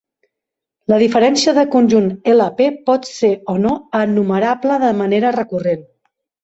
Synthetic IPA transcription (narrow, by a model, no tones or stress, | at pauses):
ləðifəɾɛnsiəðəkunʲʒuneləpepɔt̪seonoənːuməɾapləðəməneɾərəkuren